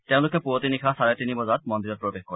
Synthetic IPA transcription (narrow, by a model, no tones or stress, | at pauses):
teʊ̃lʊkɛpuotinikʰasaɹɛtinibɔzat̚mɔndiɹɔt̪̚pɹɔbexkɔɹ